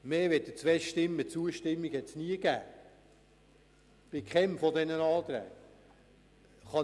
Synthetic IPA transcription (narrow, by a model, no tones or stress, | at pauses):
meːʋɛt̚dət͡sʋɛʃtɪmːət͡suəʃtɪmːiɡhɛt̪sniəɡæ̰ː | b̥ɪkχɛmfɔd̪ɛnənɑːt̪ɾæ̰j | χɑ